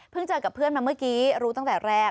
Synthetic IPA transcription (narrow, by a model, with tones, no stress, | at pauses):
pʰɯ˥˩ŋt͡ɕaː˧˩ka˨˩pʰːɯ˥˩ənmaː˧mɯ˥˩kiː˨˦˥ɾuː˦˥t̪ɔ˥˩ŋt̪ɛː˨˩ɾɛː˥˩